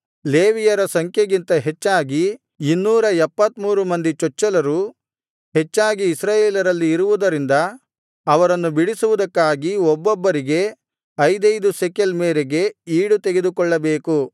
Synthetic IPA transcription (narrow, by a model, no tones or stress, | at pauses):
leːʋijɐɾɐsɐŋkʰjɐɡint̪ɐɦet͡ʃːaːɡi | inːuːɾɐɛpːɐt̪muːɾumɐnd̪it͡ʃɔt͡ʃːɐlɐɾu | ɦet͡ʃːaːɡiːsɾaːjeːlɐɾɐlːiːɾuʋud̪ɐɾind̪ɐː | ʋɐɾɐnːubiɽisuʋud̪ɐkːaːɡiɔbːɔbːɐɾiɡe̞ | ɐjd̪ɐjd̪usekelmeːɾeɡe̞iːɽut̪eɡed̪ukɔɭːɐbeːku